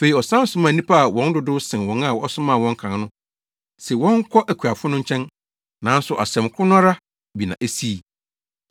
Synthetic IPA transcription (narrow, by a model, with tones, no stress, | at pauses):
fe˨i˨ɔ˨sã˦n˦sʊ̃˨˦mã˨nĩ˦pʰa˦a˨wɔ̃˦n˦dʊ˦dʊ˦sɪ̃˨n˨wɔ̃˨na˦˨wɔ˦sʊ̃˦mã˦˨wɔ̃˦ŋ˦kʰã˨˦nʊ̃˦ | sɛ˨wɔ̃˦ŋ˦kʰɔ˦ʔæ˨kʰu˨a˨fʊ˦nʊ̃˦ɲ̩˦t͡ɕʰɛ̃˦n | nã˨˦n˦sʊ˨ʔa̰˨sɛ̃˨mkʰʊ˦nʊ̃˦a˦ɾa˦ | bi˨nã̰˨ʔæ˦si˦˨